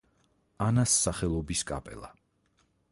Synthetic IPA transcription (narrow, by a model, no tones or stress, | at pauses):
anasːaχɛlˠɔbiskʼa̰pʼɛ̰lˠa